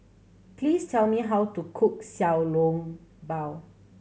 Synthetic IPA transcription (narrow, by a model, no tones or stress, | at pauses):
pʰlistʰɛlmiɦawtukʰuk̚sawlõŋbaw